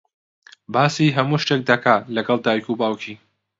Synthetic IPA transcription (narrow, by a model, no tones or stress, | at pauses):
baːsiːɦɐmuːʃtek̚d̪ɐkʰaːlɐɡɐlˠd̪aːwikubaːwkʰi